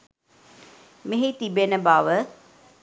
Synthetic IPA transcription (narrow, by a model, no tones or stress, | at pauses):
meɦit̪ibenəbaːʋə